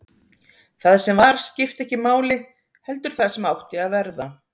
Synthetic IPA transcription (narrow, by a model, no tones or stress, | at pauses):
θaðsɛmvaɾ̥scɪft̪ɛhcɪmaːwlɪ | hɛl̪t̪ʏɾ̥θaðsɛmawht̪ɪaðvɛɾða